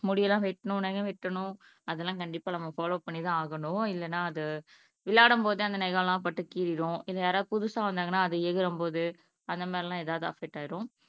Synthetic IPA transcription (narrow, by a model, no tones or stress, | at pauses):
mʊɽɪjɐlãːʋɪʈːɐɳʊ̃nɐɣɐ̃ʋɪʈːɐɳʊ̃ | ɐðɛlːãːkɐɳɖɪpːaːnɐmːɐfaːloːpɐɳːiðãːaːɣɐɳʊ̃ɪlːɐnːaːɐðɯ | ʋɪɭaːɽɐmpoːðɯɐnd̪ɐnɛɣɐɭlãːpɐʈːɯkːiːɾɪɽʊ̃ɪlːɐjaːɾaːðɯpʊðʊsaːʋɐnd̪aːŋɡɐnːaːɐðɯɛɣɪɾɐmpoːðɯ | ɐnd̪ɐmaːɾilãːeːðaːʋðɯɐ̰fɛk̚ʈːaːjɪɾʊ̃